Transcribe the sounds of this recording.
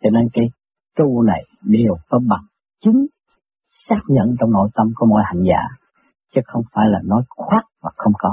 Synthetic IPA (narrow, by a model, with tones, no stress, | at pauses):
t͡ɕɔ˧ne˧nkaː˨˦j | ku˧na˨˩jɗi˨˧˩kɔ˨˦ɓa˨˩ŋ | t͡ɕï˨˦ŋ̟ | saː˦˥k̚ɲə̰˧˨nt͡ɕɔ˧wŋ͡mno̰˧˨jt̪ə˧mku˨˩˦mo̰˧˥˨jha̰˧˨jŋ̟za̰ː˧˥ | t͡ɕɨ˨˦xə˧wŋ͡mfa̰ː˧˩jlaː˨˩nɔ˨˦jxwaː˦˥t̚vaː˨˩xə˧wŋ͡mkɔ˨˦